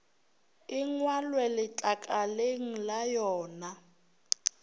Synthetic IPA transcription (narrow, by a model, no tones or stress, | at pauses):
ɪŋwalwɛlɪt͡ɬʼakʼaleŋ̩lajɔːna